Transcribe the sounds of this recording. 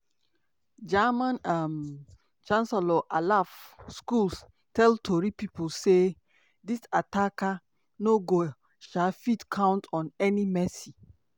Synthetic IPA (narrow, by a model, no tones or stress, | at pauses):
d͡ʒamãnam | t͡ʃãnsɛlɔʔalafskuls | tɛltʰoɹipipolse | disataka | noɡo | ʃalfitkʰãʊ̃ntɔ̃nɛnimɛsi